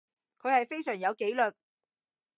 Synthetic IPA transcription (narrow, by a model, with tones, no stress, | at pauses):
kʰɵ˨˧ɥhɐ˨jfe˥jsœː˨˩ŋjɐ˨˧wke˨˥jlɵ˨t̚